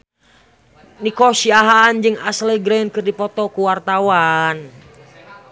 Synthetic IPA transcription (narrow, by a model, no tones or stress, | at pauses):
nikɔsiaɦaːnd͡ʒɨŋaslɛɡɾɛnkɨrdipɔt̪ɔkuwart̪awan